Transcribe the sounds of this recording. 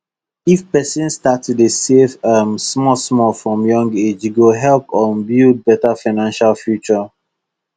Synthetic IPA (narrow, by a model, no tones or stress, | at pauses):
ifpɛsĩnstatdesefamsmɔsmɔlfɹɔ̃mjɔ̃ŋɡed͡ʒɡoɦɛlpɔ̃nbild̚bɛtafaɪnãnʃalfjut͡ʃɔ